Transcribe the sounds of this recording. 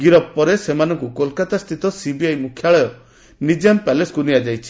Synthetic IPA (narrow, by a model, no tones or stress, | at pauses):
ɡiɾɔpːɔɾesemanɔŋkukolkat̪ast̪ʰit̪ɔsibiajmukʰːjaɭɔjɔ | nid͡ʒampaleskuniad͡ʒajt͡ʃʰi̥